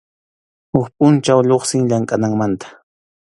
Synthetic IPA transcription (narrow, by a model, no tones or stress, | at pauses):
hʊkpʼʊnt͡ʃawʎoχsɪŋʎaŋkʼanaŋmant̪ḁ